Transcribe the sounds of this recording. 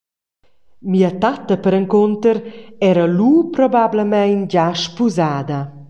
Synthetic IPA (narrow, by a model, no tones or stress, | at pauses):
miət̪at̪əpəɾəŋkont̪əɾɛɾəlupɾɔbabləmɛjnd͡ʑaʃpuzaːd̪ə